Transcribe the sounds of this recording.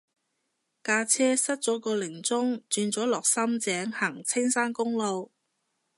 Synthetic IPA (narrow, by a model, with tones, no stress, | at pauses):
kaː˧t͡sʰɛː˥sɐ˥t̚t͡sɔː˨˥kɔː˧lɪ˨˩ŋt͡sʊ˥ŋt͡ʃyː˧nt͡sɔː˨˥lɔː˨˩k̚sɐ˥mt͡sɛː˨˥ŋhaː˨˩ŋt͡sʰɪ˥ŋsaː˥nkʊ˥ŋlo˧w